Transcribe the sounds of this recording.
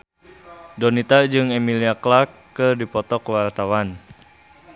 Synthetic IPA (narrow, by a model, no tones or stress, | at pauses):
dɔnit̪ad͡ʒɨŋɛmiliaklakːɨrdipɔt̪ɔkwart̪awan